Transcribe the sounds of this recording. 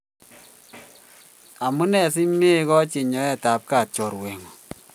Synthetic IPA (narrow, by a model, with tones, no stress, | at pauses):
a˨mu˦nɛ˨si˦me˦kɔ˦t͡ʃe˨ɲɔ˨˦ɛ˦ta˨p̚ka˨t͡ʃɔ˨ɾwɛ˨ŋɔ˨